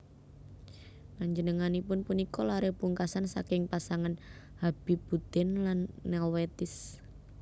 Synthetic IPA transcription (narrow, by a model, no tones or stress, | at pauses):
kaɲd͡ʒənəŋanipʊnpunikɔlaɾepuŋkasansa̰kɪŋpasaŋan | hab̥ib̥ud̪̥ɛnlanːɛlwet̪ɪs